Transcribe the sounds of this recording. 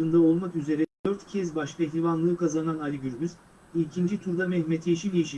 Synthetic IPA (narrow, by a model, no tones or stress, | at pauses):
ɯnd̪ao̞lˠmakyze̞ɾɛd̪øɾt̪cʰɛzbaʃk̪ˠaɛçlʲivanlˠɯːkazananalʲiɟyɾɟyz | iːcʰind͡ʒit̪ʰuɾd̪amɛhmɛt̪ʰeʃilʲiiʃi